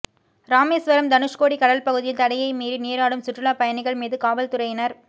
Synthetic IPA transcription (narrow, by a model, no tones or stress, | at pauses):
ɾaːmeːsʋɐɾɐmd̪ɐnɯʂkoːɽikɐɽɐlpɐɣɯðɪjɪnt̪ɐɽɐjɐɪmiːɾɯneːɾaːɽɯmsʊʈrɯɭaːpɐjɐnɪɣɐɭmiːðɯkaːʋɐlt̪ʊɾɐjɪnɐɾ